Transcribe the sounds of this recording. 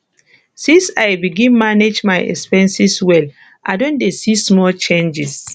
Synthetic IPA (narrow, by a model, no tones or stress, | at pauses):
sĩnsa̰jbiɡĩnmaned͡ʒmaɪɛ̰kspɛ̃nsiswɛl | ʔa̰ɪdõndesismɔlt͡ʃẽnd͡ʒis